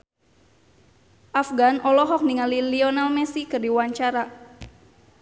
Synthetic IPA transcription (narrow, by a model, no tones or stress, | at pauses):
ʔafɡanʔɔlɔɦɔk̚niŋaliliɔnalmɛsikɨrdiwaɲt͡ʃaɾa